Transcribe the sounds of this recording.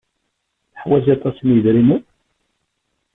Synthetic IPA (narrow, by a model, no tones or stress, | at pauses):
θəħwæziɑt̪ˤɑsnjəðɾimu